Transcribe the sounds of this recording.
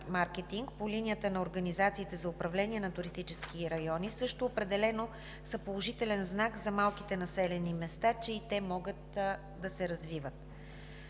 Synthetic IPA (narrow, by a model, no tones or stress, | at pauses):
maɾkɛt̪iŋk̚polinʲijət̪ənɐoɾɡɐnizat̪siːt̪ɛzɐʊpɾɐvlɛniɛnɐt̪ʊɾist̪it͡ʃɛskiɾɐjɔnisɤʃt̪oːpɾɛd̪ɛlɛno | sɐpolˠoʒit̪ɛlɛnznakzɐmalˠkit̪ɛnɐsɛlɛnimɛst̪at͡ʃɛit̪ɛmɔɡət̪̚ | d̪ɐsɛɾɐzvivət̪